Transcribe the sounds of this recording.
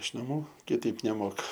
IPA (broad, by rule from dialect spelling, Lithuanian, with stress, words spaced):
ɪʃ nɐˈmuː kʲɪˈtɐɪp nʲɛˈmoːkɐ